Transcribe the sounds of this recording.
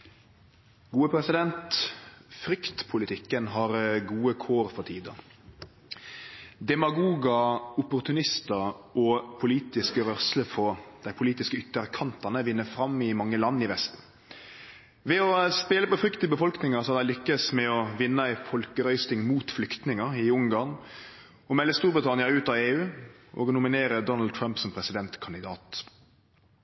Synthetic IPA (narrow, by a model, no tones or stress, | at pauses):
ɡuːəpʰɾɛsɪd̪ɛnt̪ | fɾʏkt̪pʰʊlɪt̪ʰɪkːənɦɑɾɡuːəkʰoːɾfɔt̪ʰiːd̪ɑ̰ | d̪ɛmɑɡuːɡɑʊpʊʁt̪ʰʉnɪst̪əʔɔpʰʊliːt̪ɪskəʋœʁsləfʰɔd̪̥æɪpʰʊliːt̪ɪskəʏt̪ːəʁkʰɑnt̪ɑnəʋɪnːəfɾɑmɪmɑŋːəlɑnːɪʋɛst̪̩ | ʋɛɔspeːləpɔfɾʏkt̪ɪbəfɔlknɪŋəsɔɑd̪æɪlʏkːəsmɛɔʋɪnːəæɪfɔlkəɾœʏst̪ɪŋmuːt̪flʏkt̪nɪŋəʁɪʊŋɡɑʁn | ɔmɛlːəst̪uːɾbʁɪt̪ʰɑnɪɑʉːt̪ɑːʋeːʉːʔɔ̰ːɡnʊmɪneːɾəd̪ɔnld̪̚t̪ʰɾɑmpsɔmpʰɾɛsɪd̪ɛnt̪kʰɑnɪd̪ɑːt̪